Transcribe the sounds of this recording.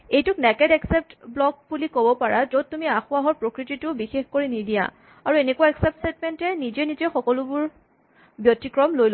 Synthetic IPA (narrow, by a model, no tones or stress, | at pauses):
ejtʊk̚nɛkɛdɛksɛp̚tblɔk̚bulikobɔpaɹazod̚tːumiaxʊaɦɔɹpɹokɹititʊbixexkoɹinidija̰ | aɹuenekuwaɛksɛp̚tsɛtmɛntɛnizɛnizɛxɔkɔlʊbʊɹ | bjɔtːikɹɔmlojl